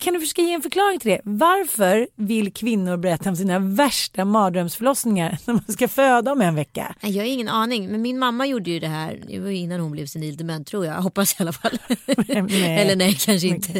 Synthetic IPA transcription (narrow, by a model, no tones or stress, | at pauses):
kʰand̪ɵfœʂøːkajeːɛnfœɾkʰlɑːɾɪŋt̪ʰɪld̪ɛvaɾfœɾvɪlːkʰvɪnːʊɾbɛɾɛt̪ːaɔmsiːnavæʂʈamɑːd̪ɾœmsfœɭɔsnɪŋaɾnæɾmanskaføːd̪aɔmɛnvɛkːa̰ɛjɑːɡaɾɪŋːənɑːnɪŋmɛnmɪnmamːajuːɖəjɵd̪ɛhæ̰ːɾd̪ɪ̰vajɵɪnːanhʊnblɛvsɛniːld̪ɛmɛnːt̪ʰɾuːjɑɡɦɔpːasjalafalː | nɛɛlːəɳɛjkʰanʂəɪnʰə